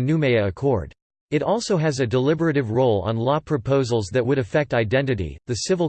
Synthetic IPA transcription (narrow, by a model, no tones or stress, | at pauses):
nʉmeɪɨkʰɔɹd | ɨɾɔlˠsoʊɨzɨdəlɪbə˞ɨɾɨvɹoʊlˠə̰̃nlɔpʰɹ̥ɨpʰoʊzl̩ˠzðɨt̚wɨɾɨfɛk̚taɪdɛ̃ntɨɾḭðɨsɪvl̩ˠ